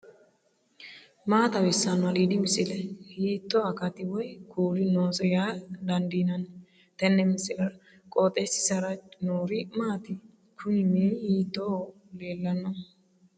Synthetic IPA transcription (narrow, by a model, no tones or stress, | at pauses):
maːt̪ɐwɛsːɐnɐlid̪ɪmɪsɪlɛhiːt̪ːɔɐkɐt̪ɪwɔjkʰuːlɪnoːsɔjad̪ɐnd̪iːnɐn | t̪ɛnːɛmɪsɪlɐɾ | kʼɔt̪ʼːɛsɪ̥sɐɾɐt͡ʃnoːɾɪmaːt̪ɪ | kʰʊnɪmeːhiːt̪ːo | leːlːɐnːɔ